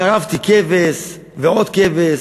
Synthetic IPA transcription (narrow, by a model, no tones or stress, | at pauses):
aʁavt̪ikɛves | veot̪kɛves